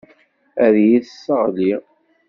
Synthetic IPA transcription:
æɾjiðsːəʁli

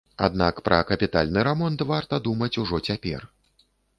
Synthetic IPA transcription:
a̰d̪nakpɾʔɐkɐpʲit̪alʲnɨɾɛmɔnt̪vart̪ɐd̪umɐt͡sʲuʐɔt͡sʲapʲɛ̰r

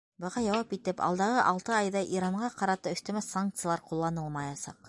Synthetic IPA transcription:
bɤ̆ʁɑjɑwɑpit̪ɘpɑ̰lˠd̪ɑʁɤʔɑlˠt̪ɤɑjðɑʔiɾɑɴɢɑqɑɾɑt̪ɤɵ̆θt̪æ̆mæsːaŋk̚t̪sɨjlˠɑɾqulˠːɑnɤlˠmɑjɑsɑq

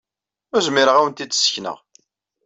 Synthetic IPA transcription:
ʊɾzmiɾəʁæwənt̪id̪̥sçnə̰ʁ

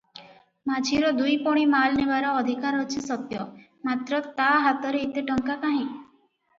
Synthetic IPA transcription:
mad͡ʒʰʱiɾɔd̪ujpɔɽ̃imalnebaɾɔːd̪ʱikaɾɔt͡ʃʰisɔt̪jɔ | mat̪ɾɔt̪aɦat̪ɔɾeit̪eʈɔŋkakaɦĩ

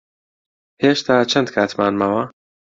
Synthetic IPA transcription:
heːʃt̪ʰaːt͡ʃʰɐnd̪kʰaːt̪maːnmɐwɐ

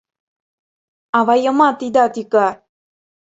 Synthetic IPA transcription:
aʋajəmat̪id̪at̪ika

